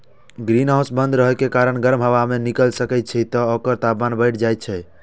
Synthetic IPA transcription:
ɡɾinaw̃sbənd̪ɾəɦɛkekaɾəɳɡəɾmɦəʋamenikəlsəkɛt̪̚t͡ʃʰɛt̪ɔokəɾt̪abmanbəɪʈʰd͡ʒajt̪̚t͡ʃʰɛ

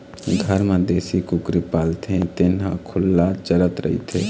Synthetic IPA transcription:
ɡʱəɾməd̪eːsikukɾipaːlt̪ʰẽt̪ɪnɦã̰kʰʊlːat͡ʃəɾət̪ɾə̰ɦḭt̪ʰḛ

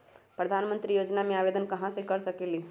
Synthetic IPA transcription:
pɾəɐd̪ʱaːnmə̃nt̪ɾijoːd͡ʒnamẽaːʋeːd̪ənkɐɦãsekɐɾsɐkeli

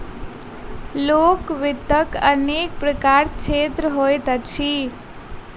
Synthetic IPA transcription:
lokʋɪt̪ːəkənek̚pɾəkaɾt͡ʃʰet̪ɾəɦojt̪ət͡ʃʰi

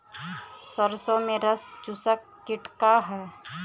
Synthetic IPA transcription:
səɾsõmẽɾəst͡ʃʊsəkːɪʈkaɦɛː

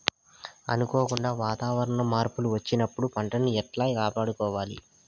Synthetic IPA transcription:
ɐ̰nukoːkuɳɖaːʋaːt̪aːʋɐɾɐɳɐmaːɾpuluʋɐt͡ʃːinɐpːuɽupɐɳʈɐniɛʈlaːjkaːpaːɽukɔːʋaːlḭ

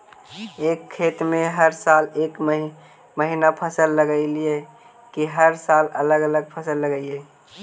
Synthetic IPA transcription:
eːkʰːeːt̪mẽɦəɾsaːleːk | məɦinapʰəsəlːəɡəɪlie | kiɦəɾsaːlələɡələɡ̚pʰəsəlːəɡəie

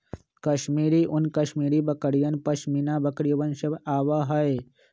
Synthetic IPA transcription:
kɐʃmiːɾiʔʊnkɐʃmiːɾibɐkəɽijənpɐʃminabəkɾijʋənʃəbaːʋaɦɐe

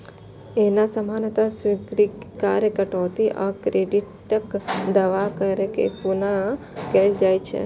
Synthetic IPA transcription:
enasəmanət̪asʋiɡɾikaɾjəkəʈoːt̪iʔakɾeɖiʈ | əkd̪aʋakəɾekḛpuna | keld͡ʒajt͡ʃʰḛ

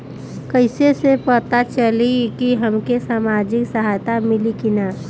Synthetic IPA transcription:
kəɪsesepət̪at͡ʃəlikiɦəmkesaːmad͡ʒɪksəɦaːjt̪amɪlikɪna

